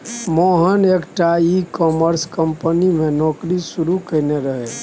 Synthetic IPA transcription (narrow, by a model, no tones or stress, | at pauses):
moɦənekʈaikɔːməɾskəmpənimẽnɔːkɾisuɾukəɪneɾəɦɛ